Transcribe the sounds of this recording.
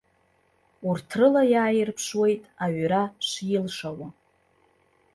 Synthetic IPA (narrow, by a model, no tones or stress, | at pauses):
urtʰrɨlajaːjɪrpʰʂwe̞jtʼaɥɾaʂɪlʂawa